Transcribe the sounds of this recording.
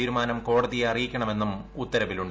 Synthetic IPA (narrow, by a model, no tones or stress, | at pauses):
iːɾumaːnɐmko̞ːɽɐðijɐrijikʲːɐɳɐme̞nːumut̪ːɐɾɐʋiluɳɖ